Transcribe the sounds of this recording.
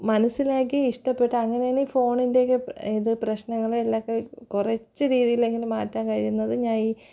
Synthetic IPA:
mɐnɐsːilaːk̬ːiiʂʈɐpːe̞ʈːɨɐŋːɐnejaːɳifo̞ːɳinde̞ːkːɨiðɨprɐɕnɐŋːɐɭelːaːkːekurɐt͡ɕːɨɾiːðijile̞ŋɡilmaːtːaːnkɐɻijunːɐðɨɲaːniː

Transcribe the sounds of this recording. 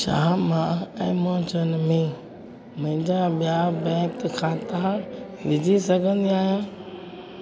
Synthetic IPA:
ʃa̰ːmãɛ̃ːmõːt͡ɕənmẽ | mɐ̃ɦɪ̃ɲd͡ʑaɓijabɛ̃ːkkʰãːt̪aã | ʋɪd͡ʑʱisɐɡʱə̃nd̪iaːɦijãː

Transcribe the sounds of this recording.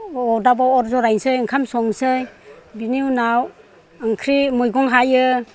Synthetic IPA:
ɔdabaɔɾzɔɾajnsɯjɯŋkʰamsɔŋsɯjbiniwnaw | ɯŋkʰɾimujɡɔŋɦajɯ

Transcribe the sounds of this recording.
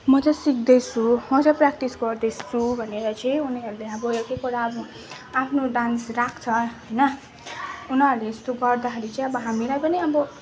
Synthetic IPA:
mʌt͡sʌ̃sikd̪ʌt͡sʰumʌt͡sʌ̃prak̚ʈisɡʌrd̪ʌst͡sʰubʱʌneɾʌt͡sʌĩuniɦʌɾuleʌbʌjekekuɾaʌbʌ | apʰnoɖansrakʰt͡sʰʌɦʌjnʌ | unʌɾulest̪oɡʌrd̪akʰeɾit͡sʌĩʌbʌɦamilajpʌniʌbʌ

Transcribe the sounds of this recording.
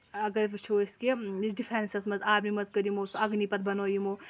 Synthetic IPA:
ɐɡɐɾbt͡ʃʰoiskeisɖifʰeɾnsɐsmɐzaːbnimɐzkɐɾjimoːsɐɡnipɐt̪̚bɐnoːjimoː

